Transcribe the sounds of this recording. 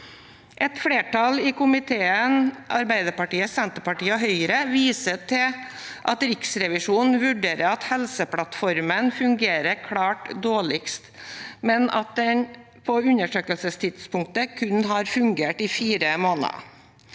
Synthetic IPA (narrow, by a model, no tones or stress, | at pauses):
ʔɛt̪fɽeːʈɑlɪkʊmɪt̪ʰeːənʔɑ̰ɾbæɪd̪əɾpɑʈiːəsɛnt̪əɾpɑʈiːəɦœʏɾəʋiːsət̪ʰɪʔɑt̪ɾɪksɾɛʋɪʂuːnʋʉɖeːɾəɾɑt̪hɛlsəpʰlɑt̪fɔɾmənfʉŋɡeːɾəɾkʰlɑːʈd̪oːɭɪkst̪mɛnɑ̰t̪̚d̪ɛn | pʰɔʉnəʂøːkəlsəst̪ʰɪd̪spʊŋk̚t̪əkʰʉnɦɑɾfʉŋɡeːʈɪfiːɾəmoːnɑ̰